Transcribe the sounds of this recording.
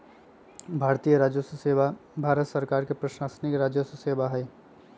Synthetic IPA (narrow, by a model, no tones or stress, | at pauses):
bʱaːɾt̪iːjəɾaːd͡ʒjosuseːʋabʱaːɾət̪səɾkaːɾkepɾəʃaːsnɪkɾaːd͡ʒjosʊseːbaɦɛ